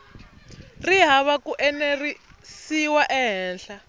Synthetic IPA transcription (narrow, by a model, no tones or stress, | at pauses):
riɦaβakuʔɛnerisiwaʔɛɦɛːnɬa